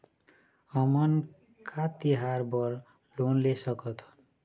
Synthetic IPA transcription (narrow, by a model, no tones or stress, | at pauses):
ʌmʌn | kat̪iɦarbʌr | lonlesʌkʌt̪ʰʌ̥